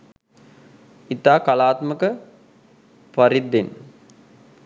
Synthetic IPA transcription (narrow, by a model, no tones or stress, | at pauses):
it̪aːkalaːt̪məkə | paɾid̪ːen